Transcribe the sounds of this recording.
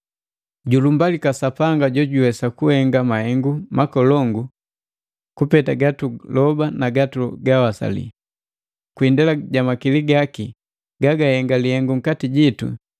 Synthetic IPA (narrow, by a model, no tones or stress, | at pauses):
ɟulumbalikasapaŋɡaɟɔɟuwɛsakuhɛŋɡamahɛŋɡumakɔlɔŋɡu | kupɛtaɡatulɔbanaɡatuɡawasa̰lḭ | kwindalaɟamakiliɡaki | ɡaɡahɛŋɡalihɛŋɡuŋ̩katiɟitṵ